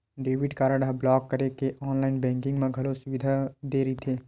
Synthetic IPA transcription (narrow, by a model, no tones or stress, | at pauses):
ɖeːʋɪɖkaːɾaːɖablɔːkːɐɾekeʔɔːnlaːɪnbɛ̃ːŋkɪ̃ŋɡmẽɡʱɐlosʊʋɪd̪ʱad̪eːɾɐit̪ʰeː